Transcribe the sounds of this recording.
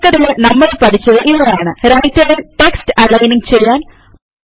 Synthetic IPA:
kːɐɾilenɐmːɐɭpɐt̪ʰit͡ɕːɐðɨʔinːɐjaːɳɨɾɐjt̪ʲːɐɽilʈe̞kstɨɐlːɐjniŋt͡ɕejːaːn

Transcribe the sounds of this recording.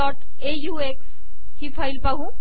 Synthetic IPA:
ɔʈ | ejueks | hipʰəjlpəɦũ

